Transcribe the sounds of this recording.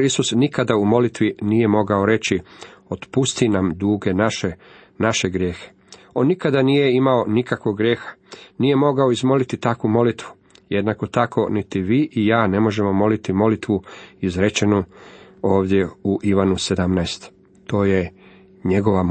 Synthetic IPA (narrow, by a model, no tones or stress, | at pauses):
isusnikad̪aumo̞lit̪ʋinije̞mo̞ɡao̞ɾe̞t͡ɕio̞t̪pust̪inamd̪uːɡe̞naʃe | naʃe̞ɡɾje̞ːxe̥ | o̞nːikad̪anije̞imao̞nikakʋo̞ɡɡɾje̞ːxḁniːje̞mo̞ɡao̞izmo̞lit̪it̪akʋumo̞lit̪ʋu̥ | jed̪nako̞t̪akʰo̞nit̪iʋiːʔijaːne̞mo̞ʒe̞mo̞mo̞lit̪imo̞lit̪ʋuizɾe̞t͡ʃenuo̞ːʋd̪je̞uʔiʋanuse̞d̪amnaest̪ | t̪o̞ːje̞ | ɲe̞ɡo̞ʋa